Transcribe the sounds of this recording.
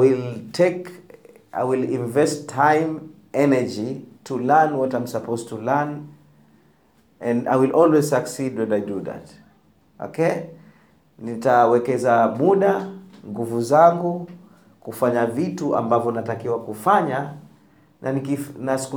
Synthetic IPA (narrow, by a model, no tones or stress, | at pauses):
wiltʰɛk | ʔa̰jwilĩɱvɛstʰːajm | ɛnɛd͡ʒitulanwɔtam̩sapʰoztulan | ɛ̃na̰jwilʔɔlwɛzsaksidwɛ̃ndajduða̰t | ɔ̰ke | nitawɛkɛzamuɗaŋɡuvuzaŋɡu | kufaɲavituʔa̰mbavjɔnatakiwakufaɲa | nʔanikinask